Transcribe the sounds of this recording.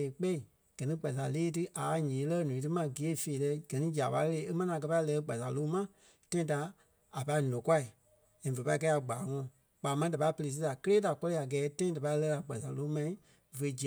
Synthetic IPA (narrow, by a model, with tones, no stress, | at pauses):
k͡pɛ˦i˨ | ɡ̥ɜ˨nĩ˨˦ɡ͡ba˨s̬a˨leː˦tɨ˦ʔa˨˦ɲĩː˨˦lɜ˦nũ˨t̬ɨ˦mã˧ɡi˨e˦˨feː˨lɛ˧˦ɡ̥ɜ˨nĩ˦d͡ʒi˨a˨pa˧˦˧le˧˦e˦mɛ̃˦nĩ˧˦ã˨k̬ɜ˧pa˧i˧lɜː˧˦ɡ͡ba˨sa˨loː˦mã˦ | tã˦ĩ˦da˧˦ | a˨pa˧i˦nɔ̃˨kwa˦i˨ | ɛ̃˨və˨pa˧˦i˦kɛ˧˦a˨ɡ͡baː˨ŋɔ̃˧˨ | k͡paː˨˦mã˦da˨pa˧˦i˦pə˧e˧s̬i˦da˨kə˦leː˦da˨kɔ˦li˦˧a˨ɡɛː˨˦tã˦ĩ˦da˨pa˧i˦lɜː˧˦a˨ɡ͡ba˨sa˨loː˦mã˧ĩ˦ | və˨˦d͡ʒi˨